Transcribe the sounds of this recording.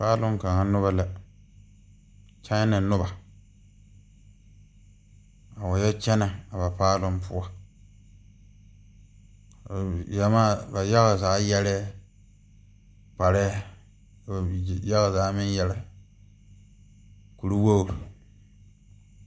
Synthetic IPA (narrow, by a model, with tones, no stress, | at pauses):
paː˦lʊ˦ŋ˦ka˨ŋa˦nʊ˦βa˨la˨ | t͡ʃa˦na˨nʊ˦ba˨ | a˨wa˨jɛ˦t͡ʃɛ˦na˨a˨ba˨paː˦lʊ˦mpʊ˦a˦˨ | ja˨maː˦ba˨ja˦ɣa˨zaː˨˦jɛ˦lɛ˦ | pa˨ɾɛ˦˨ | ja˦ɣa˨zaː˨˦mɪ˦njɛ˦la˦ | ku˨ɾu˦wo˦˨